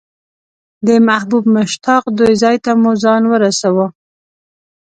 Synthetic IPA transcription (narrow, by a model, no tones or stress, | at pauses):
d̪əmahbubmʊʃt̪ɑqd̪ojzɑjt̪amuzɑnwəɾasawə